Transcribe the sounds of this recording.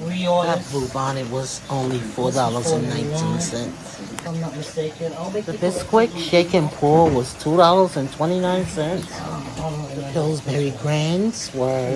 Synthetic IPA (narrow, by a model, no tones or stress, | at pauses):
wiɔlˠhæftʰəmuvn̩ɨt̚wʌzõʊ̃nlifɔɹdɑlˠə˞zɨ̃nːãɪ̃ntʰĩnsɛ̃nts | nət̚mɨsteɪkðɪskʰw̥ɪkʃeɪkɨ̃npʰɔɹwʌz̥tʰuɾɑlˠə˞zɨ̃ntʰw̥ɛ̃ɾ̃inãɪ̃nsɛ̃nts | ðəpʰɪlˠzbɛɹiɡɹæ̃ndz̥wə˞